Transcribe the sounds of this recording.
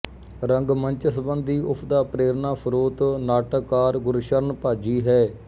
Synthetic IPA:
ɾəŋɡməɲt͡ʃsəbənd̪iːʔʊpʰd̪aːpɾeːɾnaːpʰəɾoːt̪naːʈəkːaːɾɡʊɾʃəɾnpaːd͡ʒiːɦɛː

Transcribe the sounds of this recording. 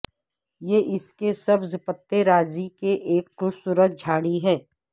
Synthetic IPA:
jeːʔɪskesɐbzpət̪ːeɾaːzikeʔeːkʈʊsuːɾət̪̚d͡ʒʱaːɽiɦɛ̃ː

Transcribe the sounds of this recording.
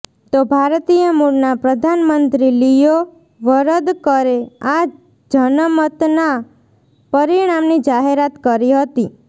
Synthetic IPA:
t̪obʱaɾt̪ijəmuɽnapɾəd̪ʱanmənt̪ɾilijo | ʋəɾəd̪kəɾead͡ʒ | d͡ʒənəmət̪na | pəɾiɽ̃amnid͡ʒaɦeɾat̪kəɾiɦət̪i

